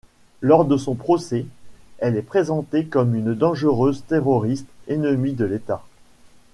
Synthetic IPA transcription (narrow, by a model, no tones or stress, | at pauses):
lɔʁd̪əsɔ̃pχɔsɛɛlɛpχezɑ̃t̪ekɔmynd̪ɑ̃ʒəʁøzt̪eʁɔʁist̪enəmid̪əlet̪a